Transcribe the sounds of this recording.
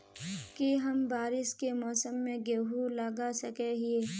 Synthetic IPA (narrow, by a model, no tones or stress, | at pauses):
kiɦɐmbaːɾɪskemɔːsəmːẽɡeɦulaɡasɐkeɦieː